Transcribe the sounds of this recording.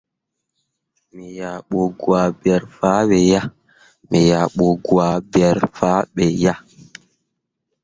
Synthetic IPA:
mi˨ja˨ɓo˨ɡwa˨bɛ˨ɾfa˦ɓɛ˨ja˦ | mɛ˨ja˨ɓo˨ɡwa˨bɛ˨ɾfa˦ɓɛ˨ja˦

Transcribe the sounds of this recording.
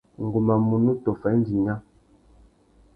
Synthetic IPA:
ŋ̩˨ɡu˨ma˨mu˨nu˦tɔ˨fɛ˨˦n̩˦di˨ŋa˦

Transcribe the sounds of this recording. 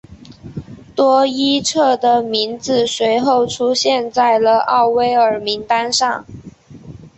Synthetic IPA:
t̪wɔ˥i˥ʈ͡ʂʰɤ˥˩d̪ə˩mi˧˥nd͡zɹ̩˨˩swe˧˥ɪxo˥˩ʊʈ͡ʂʰu˥ɕjɛ˥˧nt͡sa˥˩ɪlə˩ʔɑ̰˥˩ʊwe˥ɪə˞˨˥mi˧˥ŋt̪a˥nʂɑ˥˩ŋ

